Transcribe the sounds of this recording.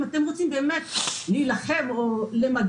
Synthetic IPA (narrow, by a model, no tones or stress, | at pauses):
mat̪emʁot͡simbeːmet̪lijlaχemolemaɡ